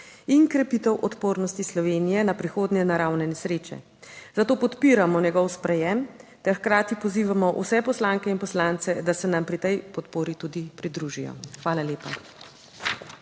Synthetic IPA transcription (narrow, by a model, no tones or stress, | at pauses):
iŋkɾɛpit̪ɛwʔɔt̪poːɾnɔst̪islɔʋeːnijɛnapɾixoːd̪njɛnaɾawnɛnɛsɾeːt͡ʃɛ̰ | zat̪oːpɔt̪piːɾamɔnjɛɡɔwspɾɛjɛmt̪ɛɾxkɾaːt̪ipɔziːʋamɔʔṵsɛpɔslaŋkɛinpɔslaːnt̪sɛd̪asɛnampɾit̪ɛjpɔt̪poːɾit̪ud̪ipɾid̪ɾuʒijɔ̰xʋaːlaleːpa